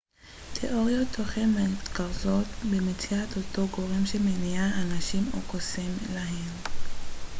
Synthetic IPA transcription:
tʰḛʔoʁjot̪ʰoχemet̪kaʁzotbemit͡siat̪otoɡo̞ʁemʃemeniaʔanaʃimo̰kosimlaɦiʁ

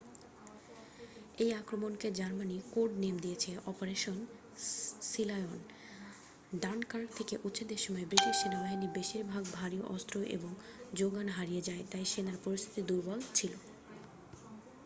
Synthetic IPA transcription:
ejakɾomonked͡ʑaɾmanikoɾɖnemd̪ijet͡ɕʰeʔɔpoɾeʃon | silajon | ɖankaɾʈt̪ʰekeʔutːɕʰed̪eɾʃɔmɔebɾiʈiʃʃenabaɦinibeʃiɾbʱaɡ̚bʱaɾioʔɔst̪ɾoʔḛboŋd͡ʑoɡanɦaɾijed͡ʑaet̪ajʃenaɾpoɾist̪ʰit̪id̪uɾbɔlt͡ɕʰilo

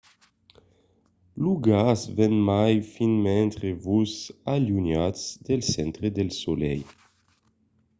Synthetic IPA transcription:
luɡasvɛnmajfinmɛnt̪ɾevusalunjatsd̪elsɛnt̪ɾed̪elsolɛ̰j

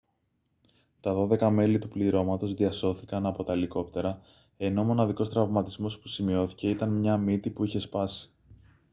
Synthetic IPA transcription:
t̪ɐðo̞ðe̞kɐme̞lit̪upliɾo̞mɐt̪o̞zðiɐso̞θikɐnɐpo̞t̪ɐeliko̞pt̪e̞ɾɐ | e̞no̞mo̞nɐðiko̞st̪ɾɐvmɐt̪izmo̞spu̥simio̞θi̥ce̞it̪ɐnmɲɐmit̪ipuiçe̞spɐsi̥

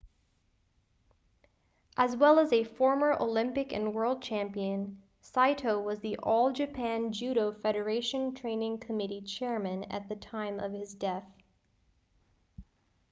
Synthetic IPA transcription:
ʔɨzwɛlˠəzɨfɔɹmə˞ʔoʊlɪ̃mpɨkɨ̰̃nwɜ˞lˠd̚t͡ʃʰæ̃mpiɨ̃n | saɪɾʰoʊwʌzðiʔoɔlˠd͡ʒɨpʰæ̃nd͡ʒʉɾoʊfɛɾə˞eɪʃɨ̃ntʰɹ̥ẽɪ̃nɪ̃ŋkʰɨmɪɾit͡ʃʰɛɹmɨ̃nɨ̰t̪̚ðɨtʰãɪ̃mʔʌv̥ɨzdɛθ

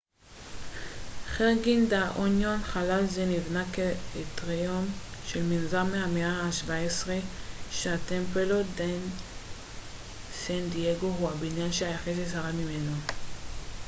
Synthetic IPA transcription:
χeʁɡind̪aʔonjonχalalzenivnakeet̪ʁeomʃelminzaʁmeameaaʃvaesʁeʃeat̪empelod̪en | sand̪ieɡoɦuabinjanʃeajaχetesaʁamimeno

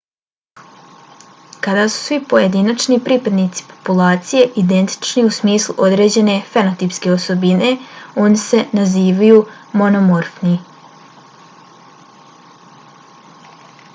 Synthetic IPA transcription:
kad̪asu̥sʋipo̞je̞d̪iːnat͡ʃnipɾipad̪niːt̪si̥po̞̥pulˠaːt̪sije̞ʔid̪e̞nt̪i̥t͡ʃniusmiːslˠṵʔo̞d̪ɾe̞ːd͡ʑe̞ne̞fenot̪ipske̞oso̞bine̞o̞ːnise̞naziːʋajumo̞nomoɾfni

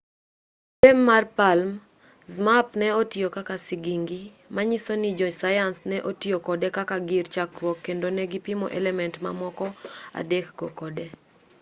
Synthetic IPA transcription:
pɛmːarpalm | zmapnɛotiokakasɪɡiŋɡi | maɲisonid͡ʒɔsajansnɛʔotijokɔdɛkakaɡirt͡ʃakɾɔkːendonɛɡɪpimɔ̰ʔɛlɛmɛntma̰mɔkɔa̰dɛkɡokɔdɛ

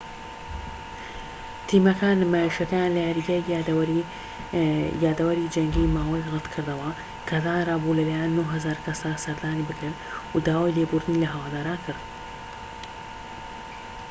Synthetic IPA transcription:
t̪ʰiːmɐkʰaːnmaːiʃɐkɐjanlɐjaɾiɡa | jaːd̪ɐwɐɾid͡ʒɐŋɡimaːwɐjrɨt̪kʰɨɾd̪ɐwɐ | kʰɐzaːnraːbulɐlaːjanːuɦɐzaːɾkʰɐsd̪asɐɾd̪aːnibɨkɾɨn | ud̪aːwajlebuːɾd̪ɨnilɐɦɐwaːd̪aːɾaːnkʰɨɾd̪̚

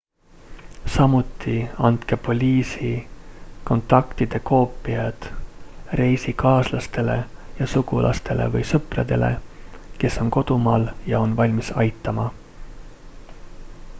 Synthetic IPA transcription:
sɑmut̪ˑːiɑnt̪kepo̞lʲiːsi | ko̞nt̪ːˑɑkt̪id̪̥e̞ko̞ːpːˑiɑd̪̥re̞jsikɑːslɑst̪e̞le̞jɑsuɡ̥ulʔɑ̰st̪e̞le̞̰vɤjsɤprɑd̪̥e̞̰le̞̰ke̞so̞nko̞d̪̥umɑːljɑo̞nvɑlʲmisɑjt̪ːˑɑmɑ

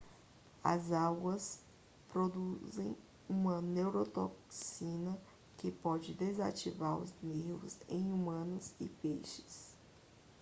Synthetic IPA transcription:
ɐ̰zaɡwɐs | pɾod̪uzẽj̃ | ũmɐnewɾot̪oksĩnɐ | kɪpɔd͡ʒɪd̪eza̰t͡ʃivaɾʊ̰znevʊ̰zẽj̃umɐ̃nʊzɪpejʃɪ̥s

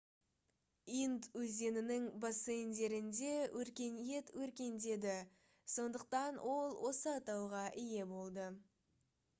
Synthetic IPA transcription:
ind̪wɵze̞nɪnɪŋbosend̪e̞ɾɪnd̪e̞wʔɵɾkʲe̞nje̞t̪wɵɾkʲe̞nd̪e̞d̪ɪ | so̞nd̪əq̚t̪ɑnwʔo̞lˠwo̞səɑt̪ɑwʁɑʔɪje̞bo̞lˠd̪ə

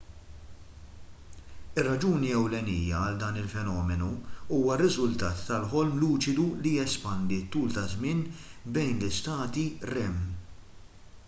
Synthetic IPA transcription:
ɪrːɐd͡ʒuːniɛwlɛniːjɐɐld̪ɐːnɪlfɛnɔːmɛnuuːwɐrːɪzʊlt̪ɐːt̪ːɐlħɔlmluːt͡ʃɪd̪ulijɛspɐnd̪it̪ːuːlt̪ɐzmɪːnbɛjnlɪst̪ɐːt̪iɾɛm

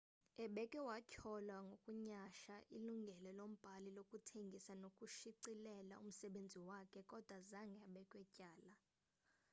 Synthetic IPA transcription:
ɛɓɛkʼɛwacʰɔlwaŋɡʱokʼuɲaʃaʔiluŋɡʱɛlɛlom̩b̥ʱalilokʼutʰeŋɡʱisanokʼuʃiǀilɛla̰um̩sɛɓend͡zʱiwakʰɛkʼɔd̥ʱwazaŋɡʱɛɓɛkʼwɛcʼaːla

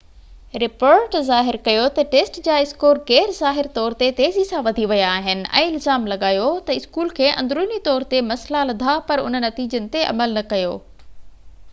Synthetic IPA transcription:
ɾɪpoːɾʈzaːɦɪɾkɐjot̪ɐʈeːsʈd͡ʑaːɪskoːɾɡɛːɾzaːɦɪɾt̪ɔːɾt̪et̪eːzisãʋɐd̪ʱiʋɐjaːɦɪnɪ̆ʔɛ̰̃ːɪlzaːmlɐɠaːjot̪ɐɪskuːlkʰeːʔɐ̰̃nd̪ɾuːnit̪ɔːɾt̪emɐslalɐd̪ʱapɐɾʊ̰nənːɐt̪iːd͡ʑənɪ̆t̪eʔɐ̰məlnɐkɐjoː

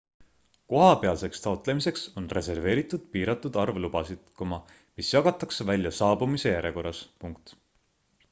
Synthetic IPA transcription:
ko̞ɦɑpeɑlse̞kst̪ɑot̪ˑle̞mise̞kso̞nre̞se̞rve̞ːɾit̪ːˑud̪̥piːɾɑt̪ːˑud̪̥ɑrvlub̥ɑsid̪̥komɑ | misjɑɡ̥ɑt̪ːˑɑksevælʲjɑsɑːbumise̞jæɾe̞ko̞rːɑspuŋkt̪

